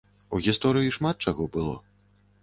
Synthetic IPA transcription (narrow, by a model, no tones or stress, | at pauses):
uɣʲist̪ɔɾɨjiʂmat̪̚t͡ʂaɣɔbɨlˠɔ̰